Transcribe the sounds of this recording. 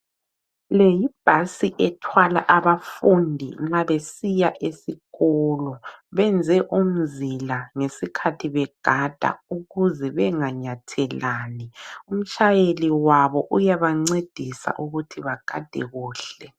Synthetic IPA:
lejib̥ʱasiʔɛtʰwala̰ʔaβafundʱḭŋ͡ǁaβesijaʔesiɣɔlɔβɛnd͡zʱɛʔum̩zilaŋesikʰatʰiβɛɡ̥ʱad̥ʱa̰uɣuzɛβɛŋaɲatʰɛlaːnium̩t͡ʃʰʼajeliwaβɔʔujaβaŋ͡ǀed̥ʱisa̰ʔuɣutʰiβaɡ̥ʱad̥ʱɛ̰ɣuːɬɛ

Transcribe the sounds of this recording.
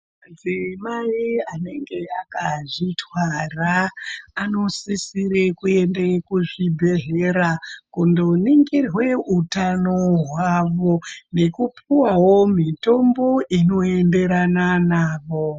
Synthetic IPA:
ad͡zimaiane̞ŋɡe̞akaʐitwaraː | no̞sisirekue̞ndekuʐibʱe̞ɦeɾakundo̞niŋɡirwe̞utanoɦwaʋo̞ne̞kupiwawo̞mito̞mbo̞ʔino̞e̞nde̞ɾananaːʋo̞

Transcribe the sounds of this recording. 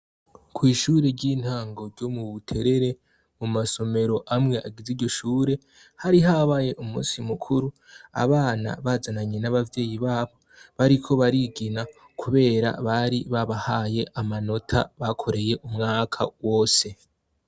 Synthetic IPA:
kwiːʃuːɾe̞ɾɟiːn̥haːŋɡo̞ɾɟo̞muβutʰe̞ɾe̞ɾe̞ | mumaso̞me̞ɾo̞ʔamŋe̞ʔaɡiziɾɟo̞ʃuːɾe̞ | haɾiɦaβaje̞ʔumṵːsimukʰuɾu | a̰βaːna̰βazanaɲenaβavje̞ːjiβaːβo̞ | βaɾikʰo̞βaɾiɡina | kʰuβe̞ːɾa̰βaɾiβaβahaje̞ʔamano̞tʰa̰βakʰo̞ɾe̞je̞ʔumŋaːkʰa̰wo̞ːse̞

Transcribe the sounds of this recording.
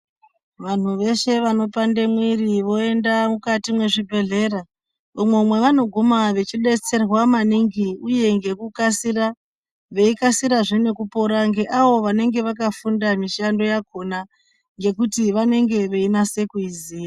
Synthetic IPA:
ʋan̤uʋe̞ʃe̞ʋano̞pande̞mwiriʋo̞e̞ndamukatimwe̞ʐibʱe̞ɮe̞ːra | umwe̞umwe̞ʋano̞ɡʱumaʋe̞t͡ʃiɗe̞t͡se̞rwamaniŋɡiuje̞ŋɡe̞kukasira | ʋe̞ikasiɾaʐene̞kupo̞ɾaŋɡeʔaʋo̞ʋane̞ŋɡe̞ʋakafundamiʃando̞jakʰo̞na | ŋɡe̞kutiʋane̞ŋɡe̞ʋe̞inase̞kuiziːja

